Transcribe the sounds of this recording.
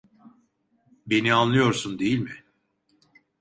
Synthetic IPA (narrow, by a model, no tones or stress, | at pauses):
be̞nianlˠɯjo̞ɾsund̪ejilʲmɪ